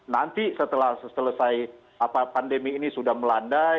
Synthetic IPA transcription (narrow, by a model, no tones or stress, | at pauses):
nant̪isət̪əlahssələsaj | apapandemiːnisudahməlanda